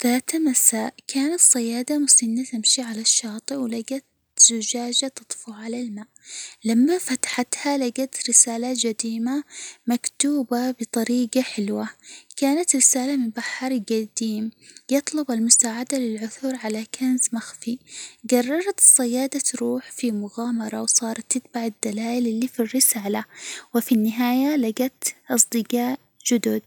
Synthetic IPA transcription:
ðaːt̪amasaːʔkʰaːnat̪sˤːɑjaːd̪amʊsɪnːat̪amʃiʕalaʃːɑːt̪ˤɨwlaɡat̪̚ | z̥ʊd͡ʒaːd͡ʒat̪ɨt̪ˤfʊʕalalmaːʔlamːafat̪ḁħat̪halaɡat̪ɾɪsaːlad͡ʒad̪iːmamakt̪uːbabɨt̪ˤɑɾiːɡaħɪlwakaːnat̪ɾɪsaːlamɪmbaħɑɾˤɡad̪iːmjɨt̪ˤlʊbalmʊsaːʕad̪alɪlʕʊθuɾʕalakanzmaxfiɡɑrˤːɑɾˤɑt̪sˤːɪjːaːd̪at̪ɾuːħfimʊɣaːmɑɾˤɑwsˤɑːɾˤɑt̪ːɪt̪̚baʕɪd̪ːalaːjɪlʔɪlːifirːɪsaːlawɪfinːɪɦaːjalaɡat̪ʔɑsˤd̪ˤɨɡɑːʔ | d͡ʒʊd̪ʊd̪̚

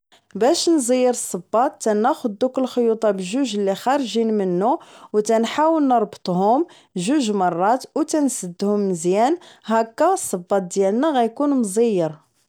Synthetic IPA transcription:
bæʃnzˤəjːəɾəsˤːɑbːɑt̪ːænæxʊd̪ːukəlxojut̪ˤɑbəʒuʒəlːixɑɾˤʒinmənːuwt̪ænħawəlnəɾˤbt̪ˤɦʊm | ʒuʒmɑrˤːɑt̪wt̪ænsəd̪ːhʊmːəzjænɦækːæsˤːɑbːɑt̪̚d̪jælnæɣæjkunmzˤijːəɾ

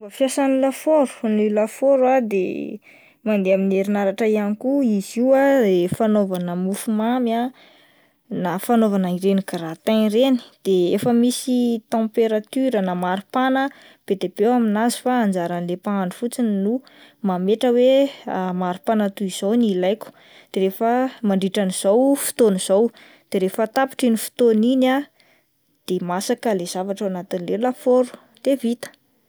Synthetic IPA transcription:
afjasanilafoɾu̥nilafoɾwad̪ḛ | mand̪eamineɾinaɾaʈ͡ʂəianikuiziwadefanovanəmufumama | nafanovanaiɾenikaɾat̪areni̥d̪̥eefəmisit̪ɑ̃peɾat̪yɾənamaɾupanə | b̥ed̪eb̥ewaminazi̥faːnd͡zaɾanlepaaɳɖ͡ʐufut͡sininu | mameʈ͡ʂəwemaɾupanat̪uiz̥ownilajkʲu̥ | d̪̥eɾefəmaɳɖ͡ʐiʈ͡ʂaniz̥owfi̥t̪oniz̥ow | d̪̥eɾefət̪api̥ʈ͡ʂinifi̥t̪onina | d̪̥emasakəlez̥avaʈ͡ʂawanat̪inilelafoɾu̥ | d̪̥evit̪ə̥

